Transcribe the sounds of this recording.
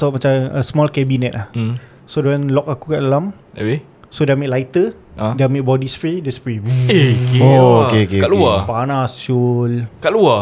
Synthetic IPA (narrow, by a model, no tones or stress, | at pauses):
sɔmat͡ʃamə̰smɔlkɛbinɛt̪̚lah̩ | sodɛnlɔk̚akukaʔlam | ɛwe | sodɛmeʔlajt̪ə | adameʔ̚bɔdispɾidɛnspɹeuekeokeokekaluapanasulkaʔlua